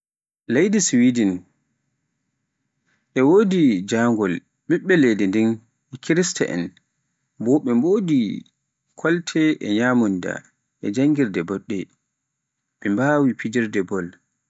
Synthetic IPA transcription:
lejdiswidin | ʔɛwodid͡ʒaŋɡɔl | ɓiɓːɛledindin | ɛkʰiɾista̰ʔɛ̰n | bɔɓɛmboːdi | kʰɔltʰɛʔɛɲamunda̰ | ʔɛd͡ʒaŋɡiɾdɛbɔɗːɛ | ɓɛmbawipʰid͡ʒiɾdɛbɔl

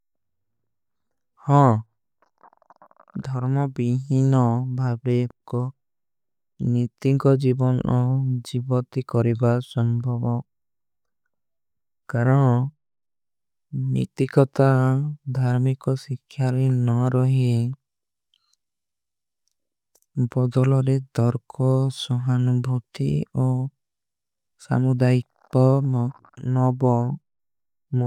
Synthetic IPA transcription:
hɔ̃ | d̪ʱɔɾmɔbiɦinɔbʱabɾekɔ | nit̪iŋkɔd͡ʒibɔnʔɔd͡ʒibɔt̪ikɔɾibasɔmbʱɔbɔ | kaɾɔn | nḭt̪ikɔt̪ad̪ʱaɾmikɔsikʰːjaɾenɔɾɔɦi | bɔd̪ɔlɔɾed̪ɔɾkʰɔsɔɦanubʱut̪iɔ | sa̰mud̪aik | ɔ | nɔbɔ | m

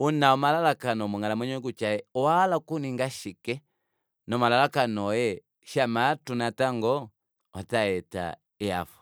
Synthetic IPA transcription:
unaɔmalalakanɔmuŋalamɛɲuɡut͡ʃaɛɔaːlakuniŋɡaʃikɛ | nɔmalalakanɔjɛ | ʃamatunataŋɡɔ | ataɛta̰ | ia̰fu̥

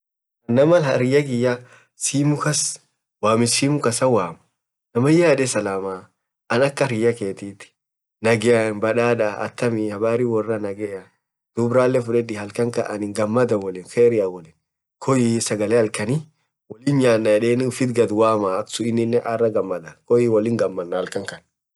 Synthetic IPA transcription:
ɐnːɐmɐlhɐɾɪjːɐɡɪjːɐ | siːmʊkɐs | waːmɪsiːmʊkɐsɐwaːmɐ̥ | nɐmɐjaːᶑɛsɐlaːma | ɐnɐkːɐɾɪjːɐkeːt̪iːt̪ɪ̥ | nɐɡɛɐnbɐᶑaːᶑɐ̰ːt̪ːɐmɪhɐbaːɾiwɔrːɐnɐɡɛjɐ | d̪̥ʊbɾaːlːɛfʊᶑɛd̪ɪhɐlkɐŋkɐʔɐnɪŋɡɐmːɐd̪ɐnwɔlɪːnfeːɾɪjawɔlɪn | kʰɔjisɐɡɐlehɐlkɐni | wɔlɪnjaːnːɐjɛᶑeːnɪʊfɪt̪ɡɐd̪waːmaːksʊɪnːɪnːɛʔɐrːɐɡɐmːɐd̪ɐkɔjɪwɔlɪŋɡɐmːɐnːɐhɐlkɐŋkɐn

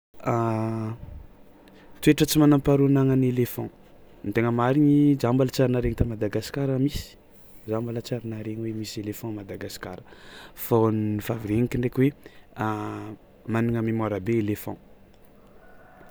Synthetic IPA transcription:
a | t̪ueʈ͡ʂət͡simanãmpaɾunaŋanelefɔ̃ | int̪eŋəmaɾiɲizambalət͡saɾinaɾeɲit̪amad̪aɡasi̥kaɾəmisi̥ | zambalət͡saɾinaɾeɲiwemiselefɔ̃mad̪aɡaskaɾəfannifaviɾeɲikiɳɖ͡ʐekʲwea | maniŋəmimoɾabeelefɔ̰̃

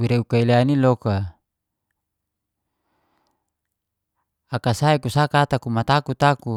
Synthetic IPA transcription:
wiɾeukaileaniloka | akasaekusakat̪akumat̪akut̪aku

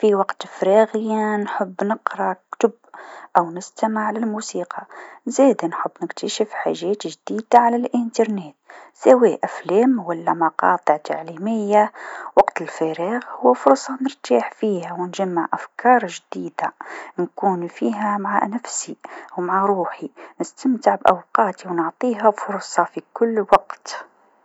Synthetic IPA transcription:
fiwɑqt̪fɾɑɣɪjanħʊbːnəqɾˤɑkt̪ʊb | ʔæwnɪst̪amaʕalælmusiːqʰɑzɛd̪anħəbːnɪkt̪ʰaʃəfħaʒɛːt̪ʒd̪iːd̪aʕalælʔənt̪ɑɾˤneːt̪sæweʔæflɛːmwælːæmɑqɑ̰ːt̪ˤəʕt̪ʰaʕlimɪjːawɑqt̪əlfæɾiɣhʊwːæfʊɾˤsˤɑnəɾt̪aːħfiːhæwnʒæmːaʕʔæfkʰɑːɾˤʒd̪iːd̪ankuːnfiːɦæmaʕa̰næfsiwmaʕaɾˤuːħinəst̪əmt̪əʕbʔa̰wqɑːt̪iwnʊʕt̪ˤiːɦafʊɾˤsˤɑfikʊlːwɑqt̪

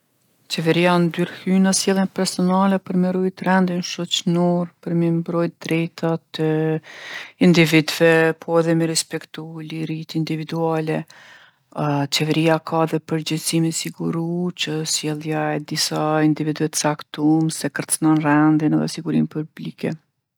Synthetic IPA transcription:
t͡ʃɛvɛɾiand̪yɾhynəsjɛlˠjɛnpɛɾsɔnalɛpəɾmɛɾujt̪rɛnd̪inʃɔt͡ʃnɔɾpəɾmɛmbɾɔjt̪̚d̪̥ɾɛjt̪ʰat̪ə | ind̪ivid̪vɛpʰɔɛðɛmɛɾɛspɛkt̪uliɾit̪ind̪ivid̪ualɛ | t͡ʃɛvɛɾiakʰaɛðɛpəɾd͡ʑɛsimisiɡuɾut͡ʃəsjɛlˠjaɛd̪isaind̪ivid̪vɛt̪ə̥sakt̪umsɛkəɾt̪t͡snɔnrɛnd̪inɛðɛ̰siɡuɾimpublikɛ̰

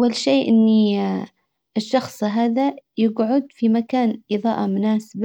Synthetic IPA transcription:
ʔwalʃeːʔɪnːi | ɪʃːɑxsˤɦaːðajɪɡʕʊd̪fimakaːnʔɨðˤɑ̰ːʔɑmʊnaːsab

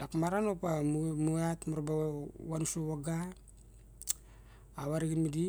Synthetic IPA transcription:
dakmaɾanopammuatmuɾbawanusoβaɡa | βaɾiɡinmidi

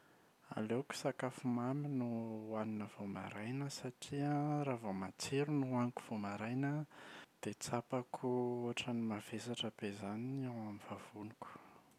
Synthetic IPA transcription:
a̰leku̥sakafumaminuaninəv̥oma̰ɾajnəsaʈ͡ʂiəɾavomat͡seɾunuaniku̥v̥omaɾajnəd̪̥et͡sapakʰuoʈ͡ʂənimav̥esaʈ͡ʂəb̥ezaniawamiv̥av̥uniku̥

